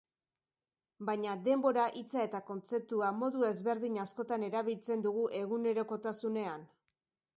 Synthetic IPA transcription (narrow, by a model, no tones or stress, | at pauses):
bajɲaðe̞mbo̞ɾaʔit͡sae̞t̪ako̞nt͡se̞p̚t̪uamo̞ðue̞zβe̞ɾðiɲasko̞t̪ane̞ɾaβ̞ilt͡se̞nd̪uɣuʔe̞ɣune̞ɾo̞ko̞t̪asune̞an